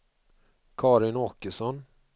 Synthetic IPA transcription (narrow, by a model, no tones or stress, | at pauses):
kʰɑːɾɪnoːkəsɔn